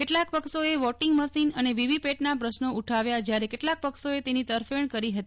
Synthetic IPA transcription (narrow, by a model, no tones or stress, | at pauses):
keʈlak̚pəksoeʋɔʈɪŋɡməsinəneʋiʋipeʈnapɾəʃnouʈʰaʋjad͡ʒjaɾekeʈlak̚pəksoet̪enit̪əɾfəɳkəɾiɦət̪i